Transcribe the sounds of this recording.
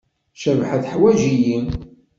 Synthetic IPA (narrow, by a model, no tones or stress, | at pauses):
ʃəvħaθħwæʒiji